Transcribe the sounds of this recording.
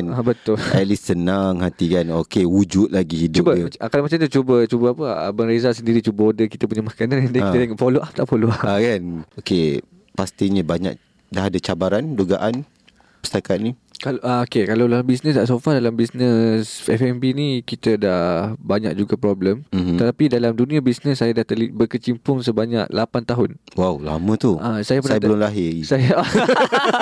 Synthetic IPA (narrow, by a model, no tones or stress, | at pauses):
nabət̪ʊlɛ̰t̪̚lisːənaŋhant̪ikanokewud͡ʒut̪̚laɡihidt͡ʃʊubəkalamat͡ʃamt̪ut͡ʃubət͡ʃubəapəbənɾezasəndiɾit͡ʃubəodəkit̪əpuɲamakanãndakit̪eŋaʔpoloʔap̚t̪aʔpoloaakanoke | past̪iɲəbaɲa̰k̚ | daɦadat͡ʃabaɾanduɡaʔan | pəst̪akat̪̚nĩ | kalʔaokekalawlalmbis̬nəsdaʔs̬ofadalambisnəsɛfɛmbinikit̪ədahbaɲa̰k̚d͡ʒuɡapɾɔbləmət̪apidalamdunĩabisnəs̬ːajadaht̪əlibərkət͡ʃimpʊŋsəbaɲak̚lapant̪aɦʊnwawla̰mə̃t̪uʔasajapunajabəlʊmlaɦɪsajaa